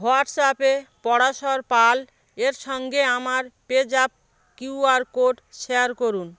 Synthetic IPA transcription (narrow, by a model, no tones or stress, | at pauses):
ɦoaʈsapepɔɽaʃɔɾpal | eɾʃɔŋɡeamaɾped͡ʑap̚ | kuaɾkoɖʃeaɾkoɾun